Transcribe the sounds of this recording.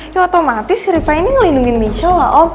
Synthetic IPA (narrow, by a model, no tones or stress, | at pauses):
ɔt̪omat̪ɪsɾifainiŋəlinduŋɪnmiʃɔwaʔɔ